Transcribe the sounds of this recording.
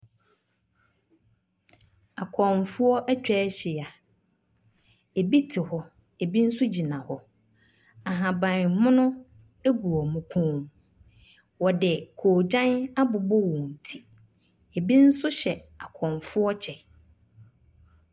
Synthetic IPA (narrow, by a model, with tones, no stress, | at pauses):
a˨kʰɔ̃˨nfʊ˦ɔ˦ʔæ˦t͡ɕᶣɛ˦ɕɪ˨a˨ | e˨bi˦tʰɪ˨hɔ˨ | e˨bi˦n̩˦sʊ˦d͡ʑi˨nã˨hɔ˨ | a˨ɦã˨bã˨nmʊ̃˦nʊ̃˦ | e˦ɡu˨ɔ˨mʊ̃˨kʰũ˦m | wɔ˨dɛ˨kʰo˨d͡ʑã˦na˦bʊ˨bɔ˦wɔ̃˨n̩˨tʰi̥˦ | e˨bi˦n̩˦sʊ˦ɕɛ˨a˨kʰɔ̃˨nfʊ˦ɔ˦t͡ɕʰɛ˨